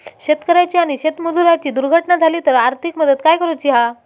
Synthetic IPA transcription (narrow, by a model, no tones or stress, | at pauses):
ɕet̪kəɾajt͡ɕiːaɽ̃iɕet̪mud͡zuɾat͡ɕiːd̪uɾɡʱəʈnad͡zʱaliːt̪əɾaɾt̪ʰikməd̪əd̪kajkəɾut͡ɕiɦa